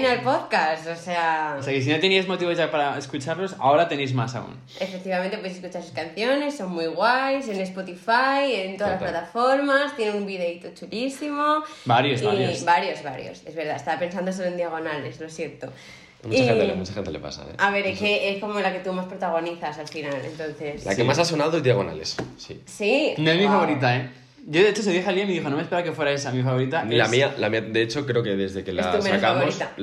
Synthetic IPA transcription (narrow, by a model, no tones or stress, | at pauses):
nalpo̞ðkasoseaoseakes̬inot̪eniazmo̞t̪iβo̞zʝapaɾaeskut͡ʃaɾlo̞sa̰o̞ɾat̪e̞nejzmasa̰ṵn | e̞fe̞k̚t̪iβameneoeseskut͡ʃaɾesaskanθjo̞ne̞sːo̞ŋmwujɣwajs̬e̞ne̞spo̞t̪ifaje̞nt̪oðalasplat̪afo̞ɾmast̪je̞neumbiðeit̪ot͡ʃulisimo̞baɾjoziabaɾjo̞zβaɾjo̞̰se̞zβe̞ɾðaest̪aβape̞ns̬and̪os̬eɾend̪iaɣ̞o̞nale̞zlo̞sje̞ɾt̪o | muaaeḛmut͡ʃaxent̪ele̞pa̰sa̰ḛaβe̞ɾekeʔesko̞molake̞t̪umaspɾot̪aɣ̞o̞niθasalfinalḛnt̪o̞nθe̞sla̰kemas̬as̬o̞naðoiðjaɣ̞o̞na̰le̞̰ssḭ | sinoezmifaβoɾit̪̬ae | ʝoðe̞et͡ʃos̬eðjexaliaimeðixonomespeɾaakefweɾaes̬amifaβo̞ɾit̪anilamialamiad̪e̞et͡ʃo̞kɾeoke̞ðe̞zðe̞kelasusmenaokaaβoɾist̪a